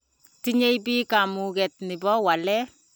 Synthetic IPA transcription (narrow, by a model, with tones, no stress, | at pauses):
ti˦ɲe˦jpiː˦ka˨mu˨kɛ˨t̚nɪ˨bɔ˦wa˨lɛ˦